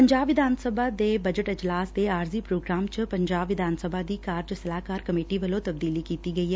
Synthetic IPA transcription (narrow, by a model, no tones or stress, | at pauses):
pəɲd͡ʒaːbʋɪd̪ʱaːnsəbʱaːd̪eːbəd͡ʒəʈɪd͡ʒlaːsd̪eːaːɾziːpɾoːɡɾaːmt͡ʃpəɲd͡ʒaːbʋɪd̪ʱaːnsəbʱaːd̪iːkaːɾd͡ʒsəlaːkaːɾkəmeːʈiːʋəlõːt̪əb̚d̪iːliːkiːt̪iːɡəiːɦɛː